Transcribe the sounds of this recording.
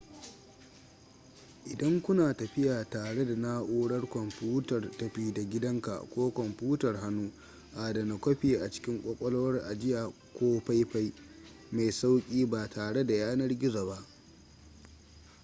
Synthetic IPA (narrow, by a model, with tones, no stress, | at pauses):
ʔɪ˨dɐ˦ŋkʷʊ˦naː˨tɐ˨ɸɪ˦jaː˨taː˨ɽe˦da˨na˦ʔoː˦ɽɐ˦rkʷɔ˨mpuː˦tɐ˨rtɐ˨ɸiː˦da˨ɡʲɪ˦dɐ˦ŋka̰˨kʷoː˦kʷɔ˨mpuː˦tɐ˨rɦa˦nːuː˦ | ʔaː˨dɐ˨na˨kʷɐ˦ɸiː˨ʔa˨t͡ʃɪ̥˦kʲɪ˦ŋkʷʼɔ˦kʷʼɔ˦lo˦wɐ˦rʔa˨d͡ʒɪ˦jaː˨ | kʷoː˦ɸa˦jɸa˦j | ma˨jsa˦wkʲʼiː˦baː˨taː˨ɽe˦da˨jaː˦nɐ˦rɡʲɪ˦zaː˨ba˦ʔ